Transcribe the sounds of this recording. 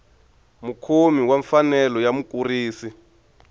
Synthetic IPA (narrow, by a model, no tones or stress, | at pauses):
mukʰomiwaɱfanɛlɔjamuk̬ʼuriːsi